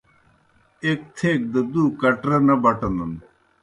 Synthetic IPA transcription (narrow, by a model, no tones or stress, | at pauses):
eːk̚t̪ʰeːk̚d̪əd̪uːkɐʈɾɐnɐbɐʈɐnd̪ɐn